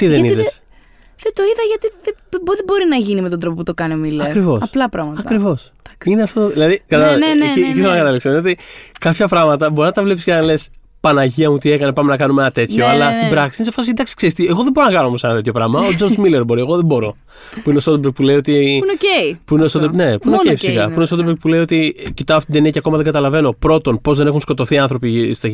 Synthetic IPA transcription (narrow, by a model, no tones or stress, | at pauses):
t̪iðeniðess | ðet̪o̞iðɐʝɐt̪iðebðebo̞ɾinɐʝinime̞t̪ond̪ɾo̞poput̪o̞kɐniomileɐkɾɾivo̞sɐplɐpɾɐɣmɐtɐkɾivo̞sɐkineɐft̪ot̪oðilɐðikɐt̪ɐeniciθelɐnɐkɐt̪ɐliksɐmneot̪ikɐpçɐpɾɐɣmɐt̪ɐbo̞ɾinɐt̪ɐvlepiscenɐles | pɐnɐʝiɐmut̪ie̞kɐnepɐmenɐkɐnumenɐt̪e̞t̪ço̞ɐlɐst̪ibɾɐksinsefɐsind̪ɐksi̥kseist̪ieɣo̞ðebo̞ɾonɐkɐnoomo̞senɐt̪e̞t̪çjopɾɐɣmɐod͡zo̞ɾzmileɾbo̞ɾie̞ɣoðebo̞ɾo̞ | puineost̪ot̪ebɾek̚pule̞io̞t̪iepuinest̪ot̪ne̞puineoeifisikɐpuinestobɾek̚puleio̞t̪icit̪ɐofit̪d̪eniɐceɐko̞mɐðeŋɡɐt̪ɐlɐve̞no̞pɾo̞t̪o̞npo̞zðe̞ne̞xunsko̞t̪o̞θiɐnθɾo̞pist̪ɐ